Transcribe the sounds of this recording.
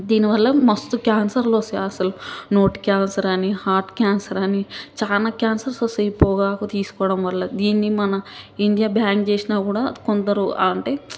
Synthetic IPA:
d̪iːniʋɐlːɐmɐst̪ukjaːnsɐɾloːseɐsɐluno̞ːʈkʲjaːnsɐɾɐnihaːɾʈkʲjaːnsɐɾɐnit͡ʃaːnaːkjaːnsɐɾsosɐjpɔːɡaːkut̪iːsu̥kɔːɽɐmʋɐlːɐd̪iːnːimɐnɐiɳɖijaːbjaːŋɡt͡ʃeːsinaːkuːɽaːkond̪ɐɾua̰ːɐɳʈe̞ː

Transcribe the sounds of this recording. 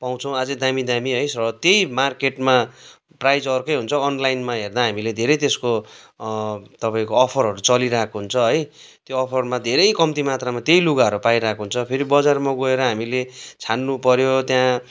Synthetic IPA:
paw̃t͡sʰʌw̃ad͡zʌd̪amid̪amiɦʌjsrʌt̪jejmarkeʈma | prajd͡zʌrkʌjɦunt͡sʰʌːnlajnmaɦerd̪aɦamiled̪ʱeɾʌjt̪esko | t̪ʌpãĩkoʌpʰʌɾɦʌɾut͡sʌliɾakoɦunt͡sʰʌɦʌj | t̪joʌpʰʌrmãd̪ʱeɾʌjkʌmt̪imat̪ramat̪jejluɡaɦʌɾupajɾakʰoɦunt͡sʰʌpʰeɾibʌd͡zarmaɡoeɾʌɦamilet͡sʰanːupʌɾjot̪jã

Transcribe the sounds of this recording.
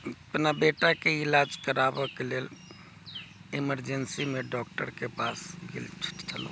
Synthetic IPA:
əpnabeʈakeilad͡ʒkəɾabəkeleːl | iməɾd͡ʒənsimeɖɔk̚ʈəɾkepasɡḭlt͡ʃʰu̥ʈt͡ʃʰəlo̰

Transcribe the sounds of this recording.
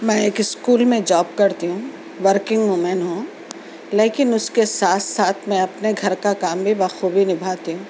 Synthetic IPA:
mɛ̃ːeːkɪskuːlmẽd͡ʒɔːb̚kɐɾt̪iɦũː | ʋəɾkɪ̃ŋɡmoːmɛ̃nɦũː | leːkɪnʊskesaːt̪ʰsaːt̪ʰmɛ̃ɐpneɡʱɐɾkakaːmbʱibaxuːbʱinɪbʱaːt̪iɦũː

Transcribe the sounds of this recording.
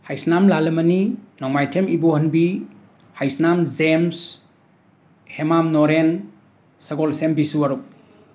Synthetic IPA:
hajsnamlalɯmɐninɔŋmajtʰemibohɐnbi | hajsnamzems | hemamnɔɾen | sɐɡɔlsembisuaɾuk̚

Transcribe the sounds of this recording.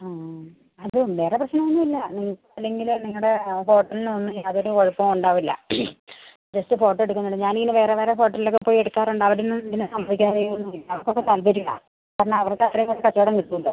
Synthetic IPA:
aː | ɐðumʋe̞ːreprɐɕnɐɐɐɲːuilːɐniŋːɐkɨɐlːe̞ŋɡilniŋːɐɽe̞fo̞ːʈːɐlinɨonːɨaɐðoɾukoɻupːɐmuɳɖaːʋilːɐ̰ | d͡ʑɐstɨfo̞ːʈːeɽukːunːuɳɖɨɲaːniŋːɐnɨʋe̞ːreʋeːɾefo̞ːʈːɐlilokːepːoːjieɽukːaːruɳɖɐʋɐɾunɐind̪inːɨsɐmbʱɐʋikʲːaːrejunːuilːɐɐɐrkːo̞kːet̪ɐlbɐɾuɣa̰ | kaːɾɐɳɐɐʋɐrkːeɐt̪rɐmɐːekɐt͡ɕːeɽɐnkit̪ːuɳɖɨ

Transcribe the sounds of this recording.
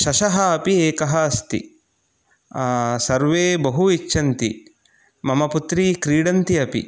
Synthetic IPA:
ʃɐʃɐɦɐːpieːkɐɦɐːst̪ḭ | sɐɾʋeːbɐɦuit͡ʃːʃʰɐnt̪ḭ | mɐmɐput̪ɾiːkɾiːɽɐnt̪iɐpḭ

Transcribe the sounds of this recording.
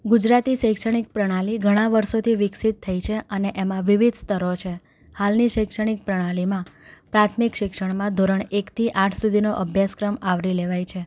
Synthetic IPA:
ɡud͡ʒɾat̪iʃəjkʃəɽ̃ik̚pɾəɽ̃aliɡʱəɽ̃ãʋəɾʃot̪ʰiʋɪksit̪ʰːəit͡ʃʰeəneʔemãʋiʋid̪ʱst̪əɾot͡ʃʰe | halniʃəjkʂəɽ̃ik̚pɾəɽ̃alimãpɾat̪ʰmikʃɪkʂəɳmãd̪ʱoɾəɳekt̪ʰiʔãʈʰsud̪ʱinoʔəbʱjaskɾəmaʋɾileʋajt͡ʃʰe

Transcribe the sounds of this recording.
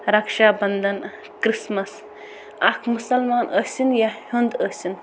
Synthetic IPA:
ɾɐkʃaːbɐnd̪ɐn | kɾismɐs | ɐkʰmusɐlmaːnʔəsinjahund̪əsin

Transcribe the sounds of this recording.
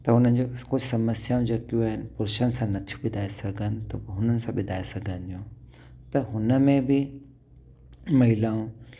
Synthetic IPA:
t̪ɐʊn̤ən̆d͡ʑokʊd͡ʒʰsɐməsjaːũd͡ʑɐkjũaɦɪnpʊɾʃənɪ̆sãnɐt̪ʰijũɓɪd̪ʱaːesɐɡʱənɪt̪oɦʊnənɪ̆sãɓɪd̪ʱaːesɐɡʱənd͡ʑũ | t̪ɐɦʊnəmẽbʱɪ | mɐɦɪlaːũ

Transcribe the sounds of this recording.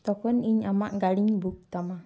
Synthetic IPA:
t̪ɔkɔniɲamaʔɡaliŋbuk̚t̪ama

